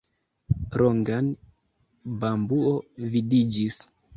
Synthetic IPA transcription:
ɾoŋɡan | bambuovidid͡ʒis

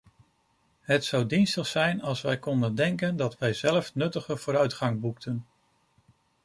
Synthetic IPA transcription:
ɦətsɑwdinstəχsɛjnɑlˠsʋɛjkɔndəndɛŋkəndɑtʋɛjzɛləfnɵtəχəv̥ʊːɾœɥtχɑŋbuktʰən

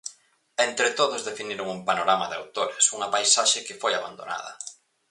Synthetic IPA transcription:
ent̪ɾɪt̪oðʊzðefiniɾoŋumpanoɾamɐðɪa̰wt̪oɾɪsuŋɐpajsaʃɪkɪfojaβa̰nd̪o̰na̰ðɐ̰

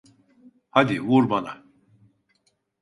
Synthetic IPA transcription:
had̪ivuɾbana̰

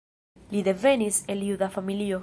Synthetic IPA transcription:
lid̪e̞ve̞niselijuðafamilio

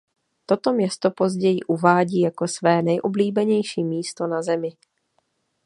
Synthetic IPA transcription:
t̪o̞t̪o̞mɲɛst̪o̞po̞zɟɛjɪʔuvaːɟiːjako̞svɛːnɛjʔobliːbɛɲɛjʃiːmiːst̪o̞nazɛmɪ

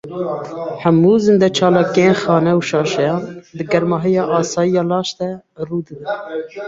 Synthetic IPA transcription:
ħæmuːzɨnd̪ɛt͡ʃʰɑːlɑːkijenxɑːnɛuʃɑːʃɛjɑːnd̪ɨɡɛɾmɑːɦijɑːʔɑːsɑːjijɑːlɑːʃt̪ɛ | ruːd̪ɨbɨn

